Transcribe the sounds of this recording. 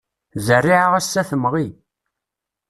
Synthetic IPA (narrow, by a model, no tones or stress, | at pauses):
zərːiʕaʁæsːæθəmʁi